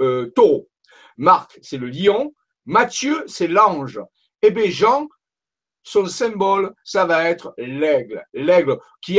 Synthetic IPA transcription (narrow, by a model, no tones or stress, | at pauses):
øt̪oo | maʁksɛləliɔ̃ | mat̪jøsɛlɑ̃ʒ | ebeʒɑ̃ | sɔ̃sɛ̃bɔlsavaɛt̪χəlɛɡllɛɡl | kʲi